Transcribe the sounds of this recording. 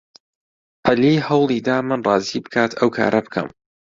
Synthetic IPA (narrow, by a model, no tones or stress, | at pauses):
ʕaliːhɐwlˠiːd̪aːmɨnrˤɑːziːbɨkʰaːt̪ʰɐwkʰa̰ːɾʔɐbɨkʰɐ̰m